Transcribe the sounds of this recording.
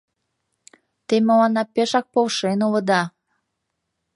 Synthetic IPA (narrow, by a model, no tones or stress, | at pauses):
t̪emoɑnɑpeʃɑk̚polʃenolə̆d̪ɑ